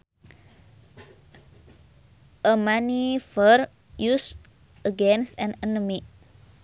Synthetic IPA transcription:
ʔəmãnifəɾ | jus | əɡɛ̃nsɛ̃nɛnəmi

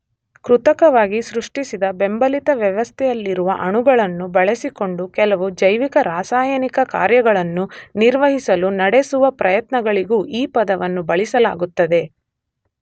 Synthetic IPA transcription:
kɾut̪ɐkɐʋaːɡisɾuʂʈisid̪ɐbe̞mbɐlit̪ɐʋjɐʋɐst̪ʰɛjɐlːiɾuʋɐʔɐɳuɡɐɭɐnːubɐɭesiko̞ɳɖukɛlɐʋud͡ʒɐjʋikɐɾaːsaːjɐnikɐka̰ːɾjɐɡɐɭɐnːuniɾʋɐɦisɐlunɐɽesuʋɐpɾɐjɐt̪nɐɡɐɭiɡuːʔiːpɐd̪ɐʋɐnːubɐɭisɐla̰ːɡut̪ːɐd̪e̞

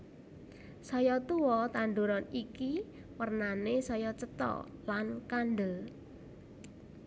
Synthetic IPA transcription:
sɔjɔt̪uwɔt̪and̪uɾɔniki | wərnanesɔjɔt͡ʃət̪ɔ̰lankanɖə

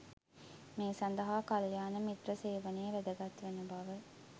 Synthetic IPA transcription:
meːsɐnd̪ɐɦaːkaljaːnəmit̪rəseːʋɐnejeʋæd̪əɡɐt̪ʋenubɐʋə

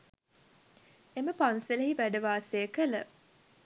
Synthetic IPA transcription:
eməpanseləɦiʋæɖəʋaːsejəkələ

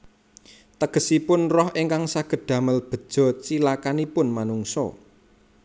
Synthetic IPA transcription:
t̪əɡ̥ə̤sipʊnrɔhiŋkaŋsaɡ̥ə̤d̪̥ä̤məlb̥ə̤d̥ʒ̥ɔ̤t͡ʃilakanipʊnmanuŋsɔ̰

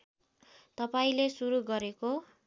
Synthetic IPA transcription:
t̪ʌpaĩlesuɾuɡʌɾeko

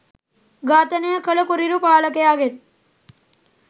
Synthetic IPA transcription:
ɡaːt̪ɐnejɐkːɐlɐkuɾiɾupaːɭɐkejaːɡen

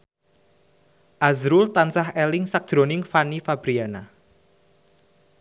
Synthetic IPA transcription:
ʔazɾʊlt̪ansaɦɛlɪŋsak̚d̥ʒ̥ɾonɪŋfanifab̥ɾiana

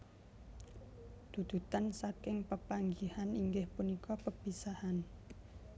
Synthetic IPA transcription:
d̪̥ṳd̪̥ṳt̪ansakɪŋpəpaŋɡihaniŋɡɪhpunikɔpəpisahan

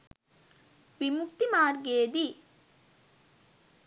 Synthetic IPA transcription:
ʋimukt̪imaːɾɡeːd̪i

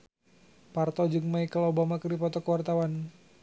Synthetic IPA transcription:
part̪ɔd͡ʒɨŋmaikəlobamakərdipɔt̪ɔkəwart̪awan

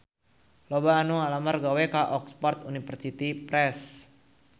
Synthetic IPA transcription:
lɔbaːnuŋalamarɡawɛkaʔɔkspɔrt̪unifərsit̪ipɾɛs

